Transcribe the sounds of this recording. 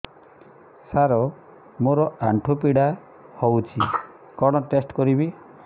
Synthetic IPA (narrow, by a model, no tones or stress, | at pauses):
saɾɔ | moɾɔaɳʈʰopiɽa | howt͡ʃʰi | kɔɽ̃ɔʈesʈkɔɾibi